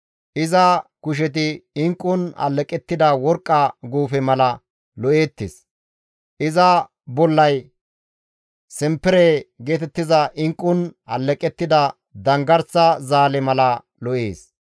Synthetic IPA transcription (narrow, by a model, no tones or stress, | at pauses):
ʔɪzɐkʊʃ̬ɛt̪̬ɪɪŋkʼːʊnɐ̰lːɛkʼɛt̪ːɪd̪ɐwɔɾkʼːɐɡuːfɛmɐlɐ | lɔʔe̞ːt̪ːḛs | ʔɪzɐ | bɔlːɐj | sɛmpːɛɾeɡe̞ːt̪ɛt̪ːɪzɐʔɪŋkʼːʊnɐ̰lːɛkʼɛt̪ːɪd̪ɐ | d̪ɐŋɡɐɾsɐzaːlɛmɐlɐ | lɔʔeːs